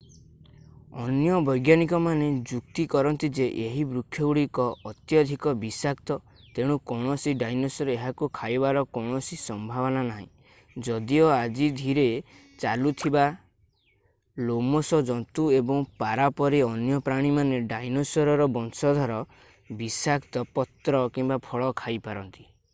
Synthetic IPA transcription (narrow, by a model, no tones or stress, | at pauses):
ɔnjɔbɔjɡjanikɔmaned͡ʒukt̪ikɔɾɔnt̪id͡ʒeʔeɦibɾukʰjɔuɽikɔːt̪jɔd̪ʱikɔbisakt̪ɔ | t̪eɽ̃ukɔwɽ̃ɔsiɖajnosɔɾɔeɦakukʰajbaɾɔkɔwɳ̃ɔsisɔmbʱaβɔnanaɦḭ̃ | d͡ʒɔd̪iɔad͡ʒid̪ʱiɾe | t͡ʃalut̪ʰiba | lomɔsɔd͡ʒɔnt̪uebɔŋpaɾapɔɾiɔnjɔpɾaɽ̃imaneɖajnosɔɾɔɾɔbɔnsɔd̪ʱɔɾɔ | bisakt̪ɔpɔt̪ɾɔkimbapʰɔɭɔkʰajpaɾɔnt̪i̥